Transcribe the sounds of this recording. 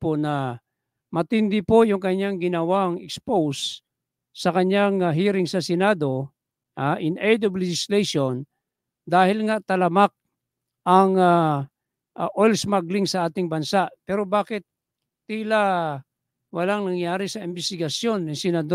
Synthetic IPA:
ponɐ | mɐt̪ɪnd̪ɪpojʊŋkɐɲːaŋɡɪnɐwaŋɛkspows | sɐkɐɲːaŋaɦiːɾɪŋsɐsɛnaːd̪o̞ | ʔaʔɪnɛjd̪ovlɛd͡ʒɪslejʃon | d̪aːhɪlŋat̪ɐlɐmak̚ | ʔɐŋa | ʔʔolsmaɡlɪŋsɐʔaːt̪ɪŋbɐnsaʔpɛːɾobaːkɪt̪̚ː | ila | wɐlaŋnɐŋjaːɾɪsɐɪmbɛst̪ɪɡɐsjonːɪsɛnɐd̪o

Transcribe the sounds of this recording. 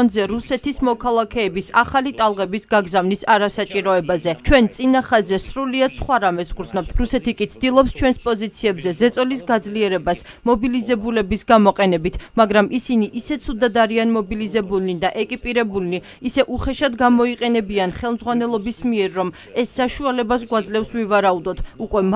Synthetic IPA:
nzɛɾusɛt̪ʰismɔkʰalˠakʰɛːbisaχalit̪ʼalˠʁɛbisɡaɡzavnisaɾasat͡ʃʼiɾɔɛbazɛt͡ʃʰwɛnt̪sʼinaχazɛsɾuliad̪sχwaɾamɛsʁɾd̪znɔp̚t̪ʰɾusɛt̪ʰikʼit̪sʰd̪ilˠɔpst͡ʃʰwɛnspʼɔzit̪sʰiɛbzɛzɛt̪sʼɔlisɡad̪zliɛɾɛbas | mɔbilizɛbulɛbisɡamɔqʼɛnɛbit̪ʰmaɡɾamisiniʔisɛt̪sʰud̪ad̪aɾianmɔbilizɛbulnid̪aʔɛkʼipʼiɾɛbulni | isɛʔuχɛʃad̪ɡamɔiqʼɛnɛbianχɛlˠmdzʁwanɛlˠɔbismiɛɾːɔm | ɛsːaʃualɛbas̬ɡwad̪zlɛfsvivaɾaud̪ɔt̪ʰukʼwɛm

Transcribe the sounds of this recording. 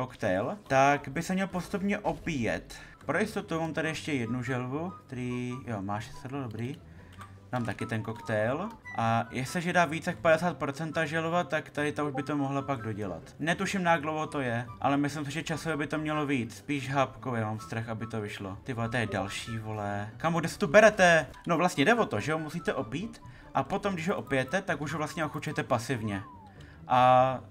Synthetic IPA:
kokt̪ɛlt̪aɡbɪsɛmɲɛlpost̪upɲɛʔo̞piːjɛ̰t̪ | pɾojɪst̪o̞t̪umaːmt̪adɪjɛʃcɛjɛdnuʒɛlvuk̚t̪ɛɾiːjomaːʃɛ̥sfɛdladobɾiː | daːmt̪akɪt̪ɛnko̞kt̪ɛjlʔajɛsɛʒɛdaːviːt͡sakpadɛsaːt̪̚pɾot͡sɛnt̪aʒɛlvat̪akt̪adɪt̪auʒbɪt̪o̞moɦlapaɡdoɟɛla̰t̪nɛt̪uʃɪmnajaɡ̚dlowɦot̪ojɛʔa̰lɛmɪslɪms̬ɪʒɛt͡ʃasovjɛbɪt̪o̞mɲɛlo̞viːt͡sspiːʃɦapkowjamaːmfst̪ɾaxabɪt̪ovɪʃlo̰t̪ɪvolɛt̪ɛjɛdalʃiːvolɛkamuɡdɛsɛ̥t̪ubɛɾɛt̪ɛ | no̞vlast̪ɲɛdɛvo̞t̪o̞ʒɛɦomusiːt̪ɛʔopiːt̪ | ʔapo̞t̪omɡdɪʒɦoʔopɪjɛt̪ɛt̪akuʒɦovlast̪ɲɛʔoxut͡ʃɛt̪ɛpasɪvɲɛ | ʔa

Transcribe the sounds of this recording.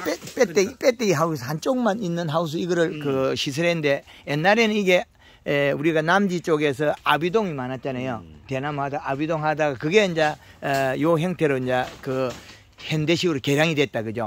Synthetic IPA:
pep͈et͈eipʼet̚t͈eiɦausɦant͡ɕ͈oŋmaninːɯnɦaus̬ʰɯiɡʌɾɯɭkɯɕʰis̬ʰɯɾenɯnde̞ | jenːaɾe̞nɯniɡe̞ | uɾiɡanamd͡ʑit͡ɕ͈oɡe̞s̬ʰʌabidoŋimanat̚t͡ɕ͈anajotenamhadaabidoŋɦadaɡakɯɡe̞ɯnd͡ʑajoɦeŋtʰe̞ɾoind͡ʑakɯ | hendeɕʰiɡɯɾoke̞ɾjaŋidwet̚t͈aɡɯd͡ʑo̰

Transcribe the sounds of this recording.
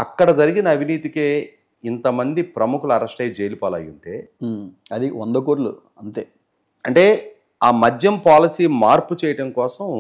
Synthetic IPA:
ɐ̰kːɐɽɐd͡ʒɐɾiɡinɐːbʱiniːt̪ikeː | int̪ɐmɐnd̪ipɾɐmukulɐɾɐsʈɐjt͡ʃeːlipaːlɐ̰juɳʈeː | ɐd̪iʋond̪ɐkoːʈ̬lṵ | ɐnt̪eː | ɐɳʈe̞ː | aːmɐd͡ʒjɐmpaːlisiːmaːɾput͡ʃɛːjɐʈɐmkɔːsɐm

